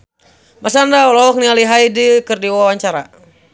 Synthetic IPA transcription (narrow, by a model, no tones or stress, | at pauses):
masandaɔlɔɔk̚nialiɦaidikɨrdiwawaɲt͡ʃaɾa̰